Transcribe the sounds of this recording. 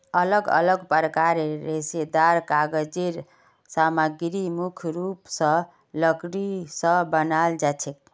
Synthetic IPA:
ələɡə̰ləɡpəɾəkaɾeɾesed̪aɾkaɡəd͡ʒeɾ | samaɡɾimukʰɾupsə̃ | ləɡɽisʌ̃bənald͡ʒat͡ʃʰek

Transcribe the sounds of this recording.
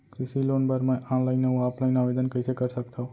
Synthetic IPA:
kɾisilonbəɾmããləjnəʋũaplajnaʋed̪ənkəisʰekəɾʃəkt̪ʰa

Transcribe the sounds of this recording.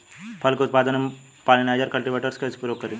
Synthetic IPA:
pʰɐlkʊt̪̚paːd̪ənm | palinaːjd͡ʒəɾkɐlʈiʋeːʈəɾskesʰpuɾjoːkːəɾi

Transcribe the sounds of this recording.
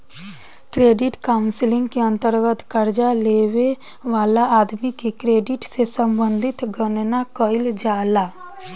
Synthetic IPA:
kɾeːɖɪʈkaːʊ̃nsɪlɪ̃ŋɡkeə̃nt̪əɾɡət̪kəɾd͡ʒaleːʋe | ʋaːlaaːd̪mikekɾeːɖɪʈsesəmbə̃nd̪ʱɪt̪ɡənnakəɪld͡ʒaːlaː

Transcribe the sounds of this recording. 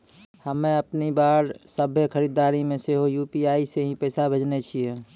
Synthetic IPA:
həmẽəpnibaːɾsəbʱekʰəɾiːd̪aːɾimẽseɦojuːpiaːiseɦĩpɛːsabʱed͡ʒnet͡ʃʰie

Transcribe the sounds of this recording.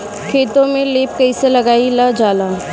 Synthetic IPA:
kʰeːt̪õmẽleːp̚kɐiselɐɡaːilad͡ʒaːlaː

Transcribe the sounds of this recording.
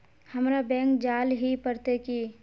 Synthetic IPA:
həmɾabɛ̃ːŋkd͡ʒaːlɦipəɾt̪eki

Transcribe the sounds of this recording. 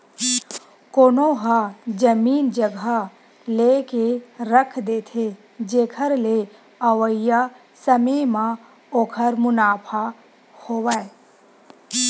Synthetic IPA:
koːnoɦad͡ʒəmiːnd͡ʒəɡa | leːkeɾəkʰd̪eːt̪ʰe | d͡ʒeːkʰəɾle | ɐʋəja | səmemã | oːkʰəɾmʊnaːpʰa | hoːʋae

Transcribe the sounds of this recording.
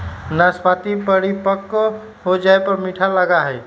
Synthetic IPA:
naspat̪ipəɾipəkː | ɦod͡ʒaepəɾmiʈʰaləɡaɦɛj

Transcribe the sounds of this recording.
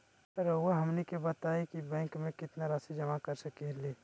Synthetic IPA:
ɐɾowaɦɐmnekebɐt̪aːekibɛ̃ːŋkmẽkɪt̪naɾaːsid͡ʒɐmakɐɾsɐkeleː

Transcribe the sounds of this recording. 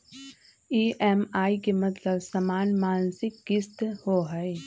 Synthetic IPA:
iːʔɛmaːikemɐt̪ləbsɐmaːnmaːnsɪkɡɪst̪hoːɦəe

